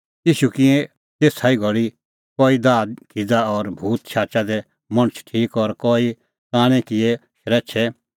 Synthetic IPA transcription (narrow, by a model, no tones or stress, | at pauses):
iːʃukɪɛ̃ | t̪eːsaːiɡʱɔɭi | kɔːid̪aːd̪kid͡zaɔɾbʱuːt̪t͡ʃʰaːt͡ʃad̪ɛ | mɐɽ̃t͡ʃʰʈʰiːkɔɾkɔːi | kãːɽ̃ɛkɪɛʃɾɛːt͡ʃʰɛ